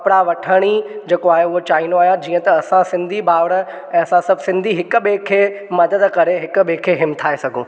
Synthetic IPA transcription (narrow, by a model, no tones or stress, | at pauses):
ɐpɪɽaʋɐʈʰəɽ̃id͡ʑeːkoaːɦeʊɦot͡ɕaːinoaːɦjãd͡ʑiːə̃t̪ɐːsãsɪ̃nd̪ʱibaːʋɽə | ɛ̃ːɐsãsɐbʱsɪ̃nd̪ʱiɦɪkʊ̆ɓekʰeː | mɐd̪əd̪kɐɾeɦɪkʊ̆ɓekʰeːɦɪmt̪ʰaːesɐɡʱũ